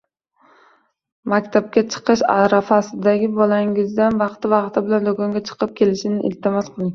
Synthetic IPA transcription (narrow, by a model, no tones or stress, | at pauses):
makʲt̪ʰap̚kʲat͡ʃʰɨ̥qɨʃa̰ɾafasɪd̪aɡʲɪbɒlaŋɪzd̪anvɑqt̪ʰɪvɑqt̪ʰɪbɪland̪oɡɒŋɡʲat͡ʃʰɨ̥qʰɨp̚kʲʰe̞lɪʃɪnɪʔɪ̰lt̪ʰɪmɒsqʰɨlˠɪŋ